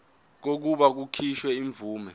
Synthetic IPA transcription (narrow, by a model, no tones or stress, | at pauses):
k̬ok̬uɓak̬ukʰiʃwɛiɱb̪vuːmɛ